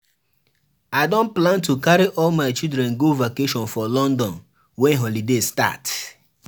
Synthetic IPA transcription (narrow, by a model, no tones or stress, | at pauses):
adõnplãntukaɾiʔɔlmaɪt͡ʃildɾɛ̃nɡovakeʃɔ̃nfɔlɔ̃ndɔ̃n | wɛ̃nɦɔlidesta̰t